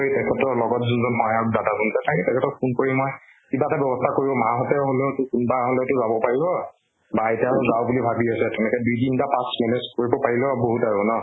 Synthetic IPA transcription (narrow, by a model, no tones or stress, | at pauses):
oɹitɛkʰɛtɔlɔɡɔtzunzɔnɦɔɦajaɹdadakunsɛtʰakɛtɛkʰɛtɔkʰunkoɹimɔj | kibatabjɔbɔstʰakoɹibɔmaɦɔtɛɦolotʊkunbaɦolotʊzabɔpaɹibɔ | bajtɛaɹʊzawbulibʱabiasɛtɛnɛkɛdujdintapãsminɛskoɹibɔpaɹilɛboɦutaɹunɔ